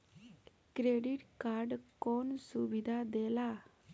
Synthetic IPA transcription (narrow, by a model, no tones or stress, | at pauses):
kɾeɽiʈkaɾɖkɔnsuʋid̪ʱad̪ɛla